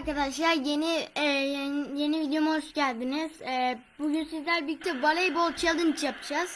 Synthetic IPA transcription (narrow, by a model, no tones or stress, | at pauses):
ɾkad̪aʃlˠaɾjeni | je̞nivid̪ejo̞muho̞ʃɟælʲd̪iniz̥ɛːbuɟynsizlʲæɾbic̚t̪ʰɛvalʲˠejbolˠt͡ʃʰalˠd̪ɯnit͡ʃʰjapʰɯd͡ʒaz̥